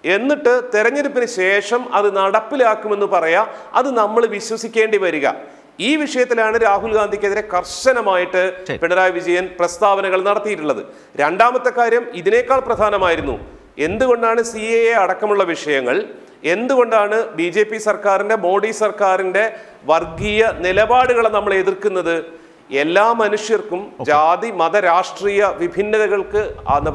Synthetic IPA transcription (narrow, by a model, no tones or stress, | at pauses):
e̞nːiʈːɨt̪iɾɐɲːeɾupːinɨɕe̞ːʂɐmɐðɨnɐɽɐpːilaːkːume̞nːupɐrɐjɐɐ̰ðɨnɐmːɐɭʋiɕwɐsikʲːe̞ːɳɖiʋɐɾuɣɐ̰ | iːʋiʂɐjɐt̪ːilaːɳɨɾaːɦulɡaːnd̪ʱikːeðiɾe̞kɐrɕɐnɐmaːjiʈːɨpeɳɐɾaːjʋid͡ʑɐjɐnprɐst̪aːʋɐnɐɣɐɭnɐɽɐt̪ːijiʈːuɭːɐðɨ̰ | ɾeɳɖaːmɐt̪ːɐkːaːɾjɐmiðine̞ːkːaːɭprɐd̪ʱaːnɐmaːjiɾunːṵ | e̞nd̪uɣo̞ɳɖaːɳɨsiejeɐɽɐkːɐmuɭːɐʋiʂɐjɐŋːɐɭ | e̞nd̪uɣo̞ɳɖaːɳɨbid͡ʑe̞ːpːisɐrkaːrinde̞mo̞ːɽiːsɐrkaːɾinde̞ | ʋɐrɡijɐnilɐbaːɽuɣɐɭnɐmːɐɭe̞ðirkunːɐðɨ | e̞lːaːmɐnuʂjɐrkumd͡ʑaːd̪imɐðɐɾaːʂʈriːjɐʋibʱinːɐðɐɣɐɭkɨa̰nɐ